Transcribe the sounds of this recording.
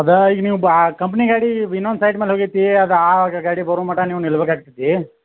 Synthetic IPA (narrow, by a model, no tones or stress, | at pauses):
ɐd̪ɐiːɡɐniːʋuaːkɐmp̬ɐniɡaːɽiinːonsɐjʈmeːlɦoːɡit̪ːiɐd̪ɐaːaɡɐɡaːɽibɐɾumaːʈɐniːʋunilɐbeːkaːɡ̚t̪id̪i